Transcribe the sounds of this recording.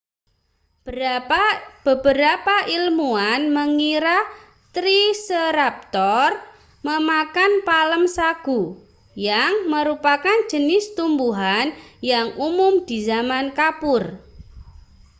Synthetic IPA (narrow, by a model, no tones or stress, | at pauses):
b̥əbəɾapaʔilmuanməŋiɾa | t̪ɾisəɾap̚t̪ɔr | məmakanpaləmsaɡ̥u | jaŋməɾupakand͡ʒ̥ənɪst̪umbuɦanjaŋumʊmd̪̥i̤zamankapʊr